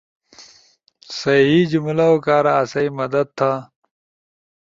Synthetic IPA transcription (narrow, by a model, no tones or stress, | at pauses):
sɐɦid͡ʑumlaokaːɾaːsɐimɐd̪ɐd̪̚t̪ʰːa